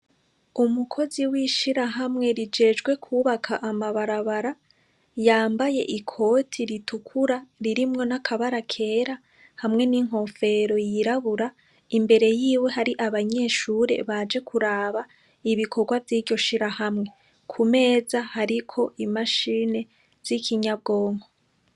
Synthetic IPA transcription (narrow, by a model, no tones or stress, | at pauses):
umukʰo̞ziwiʃiɾaɦamŋe̞ɾid͡ʒe̞ːd͡ʒɡwe̞kʰuːβakʰaʔːmaβaɾaβaɾa | jaːmbaje̞̰ʔikʰo̞ːtʰiɾitukʰuɾaɾiɾimŋo̞nakʰaβaɾakʰe̞ːɾa | hamŋe̞niŋ̥ɦo̞fe̞ɾo̞jiɾaβuɾa | imbe̞ɾe̞jiːwe̞ɦaɾiʔaβaɲe̞ːʃuːɾe̞̰βad͡ʒe̞kʰuɾaːβa | iβikʰo̞ɡwavjiːɾɟo̞ʃiɾahamŋe̞ | kʰume̞ːzahaɾikʰo̞ʔimaʃine̞ | z̥ikʰiɲab̚ɡo̞ːŋho̞